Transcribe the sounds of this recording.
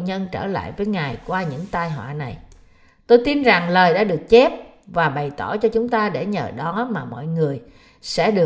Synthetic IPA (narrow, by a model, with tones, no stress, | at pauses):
ɲə˧nt͡ɕə̰ː˧˩la̰ː˧˨jvəː˨˦jŋaː˨˩jkwaː˧ɲɨ̰˧˥ŋt̪aː˧jɦwa̰ː˧˨na˨˩j | t̪o˧jt̪i˧nza˨˩ŋləː˨˩jɗa̰ː˧˥ɗɨ˨˩ək̚t͡ɕɛ˦˥p̚ | vaː˨˩ɓə˨˩jt̪ɔ˧˩t͡ɕɔ˧t͡ɕʊ˨˦ŋ͡mt̪aː˧ɗe˧˩ɲə̰ː˨˩ɗɔ˨˦maː˨˩mɔ̰˧˨jŋɨ˨˩əj | sɛ̰˧˥ɗɨ˨˩ə